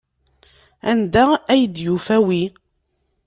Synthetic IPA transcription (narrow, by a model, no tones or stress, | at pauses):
ænd̪ææjd̪jufæwi